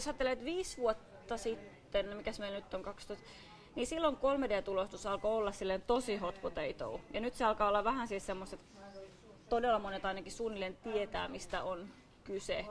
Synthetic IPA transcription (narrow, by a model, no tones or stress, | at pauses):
josɑːt̪ːelet̪ʋiːsʋuot̪ːɑsit̪ːenmikæsmeilnyt̪ːoŋkɑkst̪oist̪ | niːsilːoŋkolmedeæt̪ulost̪usɑlkoolːɑssilːent̪osihot̪kot̪eit̪o̰ujɑnyt̪seɑlkɑːolːɑʋʋæhænsilsemːost̪et̪ | t̪odelːɑmonet̪ɑinɑkissuːnːilent̪iet̪æ̰ːmist̪æʔon | kyse